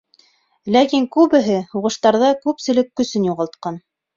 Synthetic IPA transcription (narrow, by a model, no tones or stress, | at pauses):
lækiŋkʉβɘ̆ɦɘhuʁɤ̆ʃt̪ɑɾðɑkʉpsɘ̆lɘkːɵ̆sɘnjuʁɑlˠt̪̚qɑn